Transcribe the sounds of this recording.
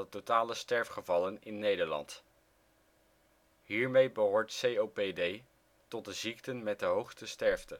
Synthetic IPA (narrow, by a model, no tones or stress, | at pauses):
ətotaːləstɛɹfχəvɑlənɪnːejdəɹlɑ̰nt | ɦiːɹmejbəɦoːɹtsejowpedej | tɔt̚dəziktənmɛt̚dəɦowχstəstɛɹftə